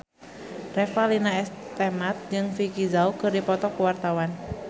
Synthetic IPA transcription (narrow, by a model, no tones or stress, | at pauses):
rɛfalinaɛst̪ɛmat̪̚d͡ʒɨŋfikizaukɨrdipɔt̪ɔkuwart̪awan